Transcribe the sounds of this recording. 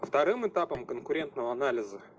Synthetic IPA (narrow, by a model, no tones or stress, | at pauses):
ft̪ɐɾɨmɨt̪apəmkənkʊɾʲe̞nt̪nəvəɐnalʲɪzə